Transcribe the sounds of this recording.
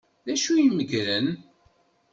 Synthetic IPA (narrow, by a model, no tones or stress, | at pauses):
ðæʃujiməɡɾən